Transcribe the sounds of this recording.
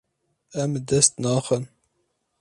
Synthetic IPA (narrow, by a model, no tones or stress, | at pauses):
ɛmd̪ɛst̪nɑːxən